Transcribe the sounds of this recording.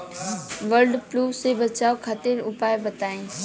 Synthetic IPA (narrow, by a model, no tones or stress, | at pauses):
ʋəɾɖpluːsebət͡ʃaːokʰat̪eɾʊpaːjbət̪aːẽː